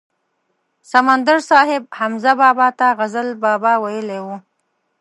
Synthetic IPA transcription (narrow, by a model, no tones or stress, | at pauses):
samand̪aɾsɑɦɪb̚hamzabɑbɑt̪aɣazəlbɑbɑwajəlewu